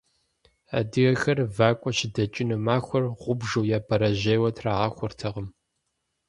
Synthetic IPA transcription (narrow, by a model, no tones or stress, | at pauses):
a̰dɨɣɐxɐrvaːkʷʼɔʃɪdɐt͡ʃʼɪnɨmaːxʷɔrʁʷʊbʒuwjaːbʰɐɾɐʑeːwɐtʰraːʁɐxʷʊrtʰɐʁəm